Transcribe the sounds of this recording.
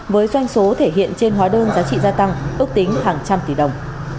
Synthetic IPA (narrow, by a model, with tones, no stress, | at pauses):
vəː˨˦jzwa˧jŋ̟so˨˦t̪ʰe˧˩ɦḭ˧˨ənt͡ɕe˧nɦwaː˨˦ɗəː˧nzaː˨˦t͡ɕḭ˧˨zaː˧t̪a˧ŋʔɨ˦˥k̚t̪ï˨˦ŋ̟haː˨˩ŋt͡ɕa˧mt̪i˧˩ɗə˨˩wŋ͡m